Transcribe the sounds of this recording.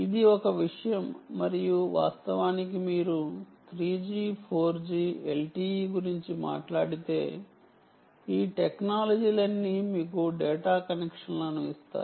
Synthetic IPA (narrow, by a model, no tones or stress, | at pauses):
id̪iɔkɐʋiʂɐjɐmːɐɾijuʋa̰ːst̪ɐʋaːnikimiːɾut̪ɾiːd͡ʒipʰo̞ːɾd͡ʒielʈiːɡuɾiɲt͡ʃima̰ːʈlaːɽit̪e̞ː | iːʈeknaːlɐd͡ʒiːlɐnːimiːkuɖɛːʈaːkɐnekʂɐnlɐnuist̪a̰ː